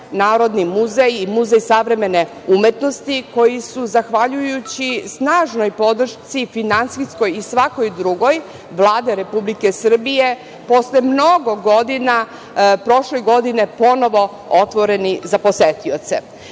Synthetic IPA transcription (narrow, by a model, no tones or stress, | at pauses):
naːɾo̞d̪nimuzejimuzejsaʋɾe̞me̞ne | umet̪no̞st̪iko̞jisuzaxʋaʎujut͡ɕisnaːʒno̞jpo̞d̪r̩ʃt̪sifinansisko̞jisʋako̞jd̪ɾuɡo̞j | ʋlˠaːd̪eɾe̞publike̞sr̩bije | po̞slemno̞ɡo̞ɡod̪ina | pɾo̞ʃlejɡo̞d̪inepo̞no̞ʋo̞ | ot̪ʋo̞ɾe̞nizapo̞set̪iot̪sḛ